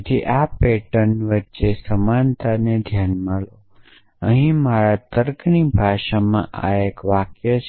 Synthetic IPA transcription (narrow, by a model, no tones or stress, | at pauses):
t̪ʰiʔapeʈənʋətːʃesəmant̪ʰaned̪ʱjanməlo | əɦĩmaɾat̪əɾknibʱaʃamãʔa̰ekʋakjət͡ʃ